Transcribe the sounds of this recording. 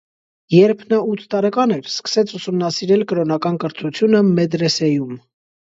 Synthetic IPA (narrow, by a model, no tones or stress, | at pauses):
jɛɾpʰnɑut̪ʰt̪ɑɾɛkɑnɛɾskə̥sɛt͡sʰusumnɑsiɾɛlkəɾɔnɑkɑnkəɾt̪ʰut͡sʰjunəmɛd̪ɾɛsɛjum